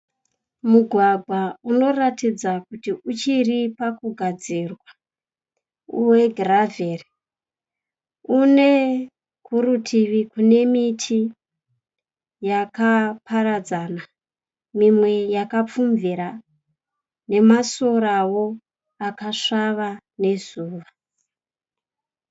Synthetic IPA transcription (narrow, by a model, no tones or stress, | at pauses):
muɡʱwaɡʱwauno̞ratid͡zakutiʔut͡ʃiripakuɡʱad͡zirwa | uwe̞ɡʱraveri | une̞ | kuɾutʰiʋikune̞mitʰi | jakaparad͡zana | mimwe̞jakap͡fumviɾa | ne̞maso̞ɾawo̞ | akaʂaʋa | ne̞zuːʋa